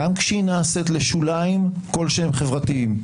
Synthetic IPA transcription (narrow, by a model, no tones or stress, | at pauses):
amkʃeinaset̪leʃulaim | ko̞lʃehemχevʁat̪iim